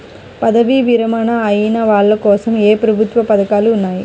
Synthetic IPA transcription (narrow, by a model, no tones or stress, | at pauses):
pɐðɐʋiʋɪɾɐmaːnaɐjinaʋaːllɐkːoːsɐmeːpɾɐbʱɯt̪ʋɐpɐðɐkaːlɯʊnːaːj